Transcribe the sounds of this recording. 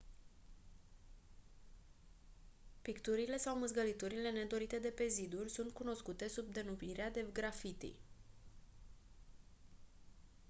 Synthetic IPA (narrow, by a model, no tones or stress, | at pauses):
pikt̪uɾile̞sawmɨzɡəlit̪uɾile̞ne̞d̪o̞ɾit̪e̞d̪e̞pe̞zid̪urʲsunt̪̚kuno̞skut̪e̞sub̚d̪e̞numiɾead̪e̞ɡɾafit̪ḭ